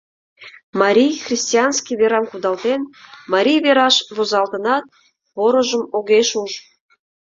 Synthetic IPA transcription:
mɑɾʲijxrʲisʲtʲiɑnskʲiβeɾɑmkud̪ɑlt̪enmɑɾʲijβeɾɑʃβozɑlt̪ənɑt̪̚ | βoɾəʒəmoɣeʃuʒ

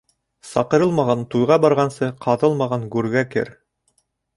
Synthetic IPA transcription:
sɑqɤ̆ɾɤlˠmɑʁɑnt̪ujʁɑbɑɾʁɑnsɤqʰɑðɤlˠmɑʁɑŋɡʉɾɡækɘ̰ɾ

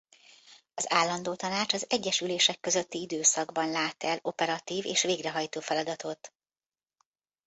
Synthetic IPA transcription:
ɒzaːlːɒnd̪oːt̪ɒnaːt͡ʃɒzɛɟːɛʃyleːʃɛkːø̞zøt̪ːiid̪øːsɒɡbɒnlaːt̪ɛlo̞pɛɾɒt̪iːvḛːʃʋeːɡrɛɦɒjt̪oːfɛlɒd̪ɒt̪o̞t̪

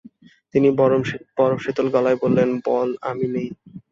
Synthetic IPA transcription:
t̪inib̥ɔɾomʃet̪olɡɔlaebolːenbɔla̰minej

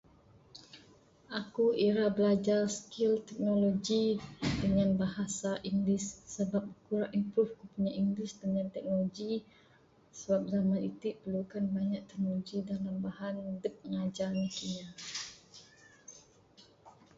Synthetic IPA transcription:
ʔakuiɾabəlad͡ʒarskilt̪ɛk̚noloɡidəŋanbaɦasaʔiŋɡlɪsːəbap̚bəkuɾaʔimpɾufkupuɲaʔiŋɡɪsdəŋant̪ɛk̚noloɡi | səbap̚zamanit̪upərlukanbaɲaʔ̚t̪ɛk̚noloɡidalambahandəp̚ŋad͡ʒanikiɲa

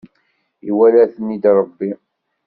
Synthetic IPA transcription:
iwælæθənːid̪ɾˤəbːi

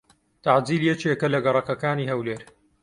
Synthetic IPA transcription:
t̪aʕd͡ziːljɛt͡ʃekɐlɐɡɐrˤɐkɐkaːniːhɐwleːɾ

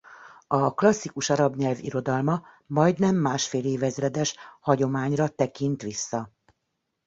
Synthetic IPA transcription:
ɒklɒsːikuʃɒɾɒbɲɛlvḭɾo̞d̪ɒlmɒ | mɒjd̪nɛmːaːʃfeːleːvɛzrɛd̪ɛʃhɒɟo̞maːɲrɒt̪ɛkint̪ʋisːɒ

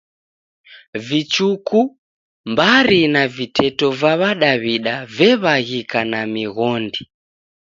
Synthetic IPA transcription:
vit͡ʃuku | mbaɾinavitʰɛtɔvaβaɗaβiɗavɛβaɣikanamiɣɔndi

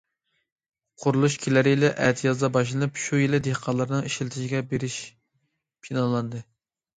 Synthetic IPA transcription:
qʰʊɾulˠuʃkʲʰelæɾɪlɪʔɛt̪ʰjɑzd̪ɑbɑʃ̬lˠɨnɨpʃujelɪd̪ehqʰɑlˠɨɾɨnɨŋiʃlt̪ʰɪʃiɡʲɛbeɾɪʃ | pʰinɑlˠɑnd̪ɨ

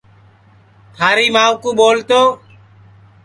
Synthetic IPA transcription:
t̪ʰaːɾiːmaːʋkuːɓoːlt̪oː

